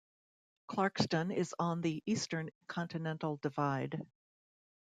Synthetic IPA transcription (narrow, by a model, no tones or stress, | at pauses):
kʰl̥ɑɹkstə̃nɪzn̩ðiʔistə̃˞nkʰɑ̃ntɨnɛ̃ntˡl̩ˠdɨvaɪd̥